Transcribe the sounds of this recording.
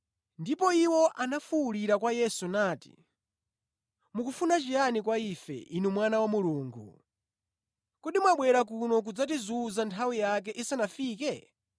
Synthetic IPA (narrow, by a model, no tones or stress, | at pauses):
ndipɔiwɔʔanafuuliɾakwajɛsunaːti̥̰ | mukufunat͡ʃijanik̬waifɛ̰ʔinumwanawamuluːŋɡṵ | kuɗimwaɓwɛɾak̬unɔk̬ud͡zatizuzantʰawijak̬ɛʔisanafiːkɛ